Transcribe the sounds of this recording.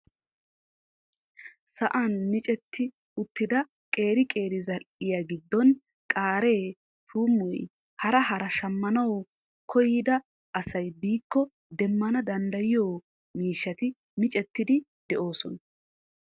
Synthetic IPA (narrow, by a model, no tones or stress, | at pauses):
sɐʔanmɪt͡ʃʼɛt̪ʰːɪ | ʊt̪ːɪd̪ɐ | kʼe̞ːɾɪkʼe̞ːɾɪzɐɾʔɪjaɡɪd̪ːɔn | kʼaːɾe̞ː | t̪uːmːɔj | hɐɾɐɦɐɾɐʃɐmːɐnɐw | kʰɔjɪd̪ɐ | ʔɐsɐjbiːkːɔ | d̪ɛmːɐnɐd̪ɐnd̪ɐjɪjo̞ː | miːʃːɐt̪ɪ | mɪt͡ʃʼɛt̪ːɪd̪ɪd̪̥ɛʔo̞ːsɔnɐ